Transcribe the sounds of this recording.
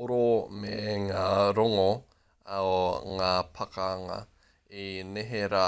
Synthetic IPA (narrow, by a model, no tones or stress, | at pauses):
oɾomeŋaːɾoŋo | aoŋaːpʰɐkaːŋa̰ | eneɦeɾa